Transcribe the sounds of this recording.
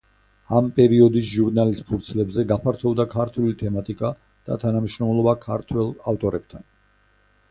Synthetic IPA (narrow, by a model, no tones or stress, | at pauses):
ampʼɛɾiɔd̪is̬ʒuɾnalist̪pʰuɾt̪sʰlɛbzɛɡapʰaɾt̪ʰɔbd̪akʰaɾt̪ʰulit̪ʰɛmat̪ʼikʼa | d̪̥a̰t̪ʰanamiʃɾɔmlˠɔbakʰaɾt̪ʰwɛlˠaft̪ʼɔɾɛb̚t̪ʰan